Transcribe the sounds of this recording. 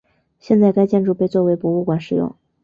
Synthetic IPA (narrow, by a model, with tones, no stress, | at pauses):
ɕjɛ˥˧nt͡sa˥˧ɪka˥ɪt͡ɕjɛ˥˧nʈ͡ʂu˥˩pe˥˧ɪt͡swɔ˥˩we˧˥ɪpwɔ˧˥u˥˩kwa˨˩nʂɻ̩˨˩jʊ̰˥˩ŋ